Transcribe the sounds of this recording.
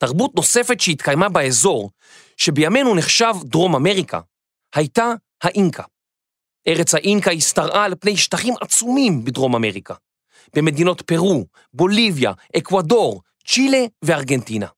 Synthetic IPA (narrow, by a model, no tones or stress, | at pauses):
taʁbutno̞se̞fe̞tʃehit̪kajmabaezo̞ʁ | ʃe̞bejame̞nuneχʃavdʁo̞mame̞ʁikʰa̰ | hajta | haʔinkʰa | ʔe̞ʁet͡shaʔinkaistaʁʔalepne̞jʃtaχimʔat͡sumimbidʁo̞mame̞ʁika | b̥eme̞d̪ino̞t̪pe̞ʁu | bo̞livja̰ʔekwado̞ʁ | t͡ʃile̞veaʁɡe̞ntina̰